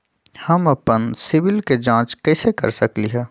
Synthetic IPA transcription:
hɐmɐpənsɪʋɪlked͡ʒãːt͡ʃkɛːsekɐ̰ɾsɐkliɦɛː

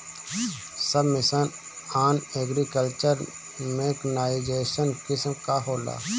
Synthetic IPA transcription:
səbmɪsən | aːneːɡɾikəlt͡ʃəɾ | mẽknaːid͡ʒeːʃənkɪsmkaɦoːla̰ː

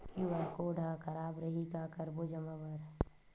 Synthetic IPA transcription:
kiʋakoːɖʱakʰɐɾaːbɾɐɦiɡaːkəɾbod͡ʒəməbəɾ

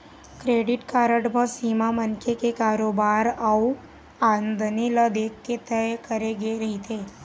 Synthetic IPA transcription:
kɾeːɖɪʈkaːɾəʈbəsiːmamənkʰekekaːɾoːbaːɾa | aːnd̪niləd̪eːkːet̪ɛjkəɾeɡeɾɐɦit̪ʰeː

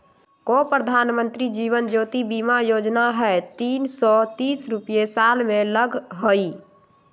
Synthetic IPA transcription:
kɔpɾəd̪ʱanmə̃nt̪ɾid͡ʒiːʋənd͡ʒoːt̪ibimajod͡ʒnaɦɛt̪iːnsɔt̪iːsɾupjesalmẽləɡʱɦoi

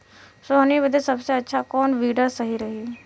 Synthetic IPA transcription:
sonibəd̪esɐbseɐtːʃʰakɔːnʋiːɖasɐɦiɾɐɦi

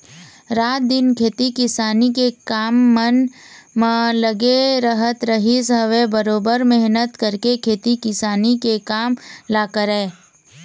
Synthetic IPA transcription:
ɾaːt̪̚d̪ɪnkʰeːt̪ikɪsaːnikekaːmːənmãləɡeɾəɦət̪ɾəɦisɦəʋebəɾoːbəɾmɪɦnət̪kəɾkekʰeːt̪ikɪsaːnikekaːmlaːkəɾɦɛː

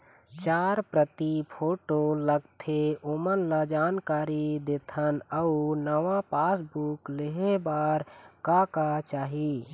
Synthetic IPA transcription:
t͡ʃaɾpɾət̪ipʰoʈoləɡt̪ʰeomənlad͡ʒaːnkaːɾid̪et̪ʰənəunəʋãpasbukleɦebaɾkakat͡ʃaːɦi

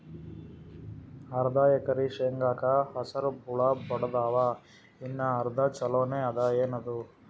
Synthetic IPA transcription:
ɐɾd̪aːjɐkɐɾiʃeŋɡaːkaɦɐsɐɾbuɭabɔɽɐd̪aːʋa | inːɐɦɐɾd̪ʱɐt͡ʃɐloːneːɐd̪aːeːnɐd̪u

